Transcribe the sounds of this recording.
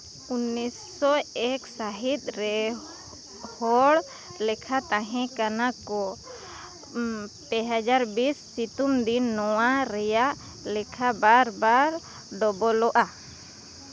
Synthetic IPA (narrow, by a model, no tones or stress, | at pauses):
unisːɔɛksaɦit̪̚ˀɾɛ | hɔɽ | lɛkʰat̪ãɦɛ̃kanakɔ | pɛɦad͡ʒaɾbisːit̪umd̪inːɔwaɾɛjaʔ | lɛkʰabaɾbaɾ | ɖɔbɔlɔʔa